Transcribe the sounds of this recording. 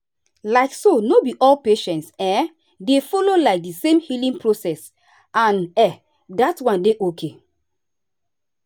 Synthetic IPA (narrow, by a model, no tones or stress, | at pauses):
laɪksonobiʔɔlpeʃɛ̃ntsɛ̃ | defɔlolaɪk̚disẽmhilĩŋpɹosɛs | ãnɛ | datwãndeʔokʰe